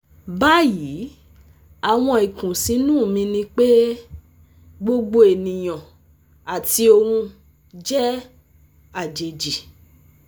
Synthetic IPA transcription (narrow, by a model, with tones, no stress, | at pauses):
ba˦ji˨˦ | a˨w̃ɔ̃˧i˨kũ˨sĩ˨˦nũː˦˨mĩ˧nĩ˧k͡pe˦ | ɡ͡bo˧ɡ͡bo˧e˨nĩ˨j̃ɔ̃˨ | a˨ti˧o˧hũ˧ | d͡ʒɛ˦ | a˦˨d͡ʒe˨d͡ʒi˨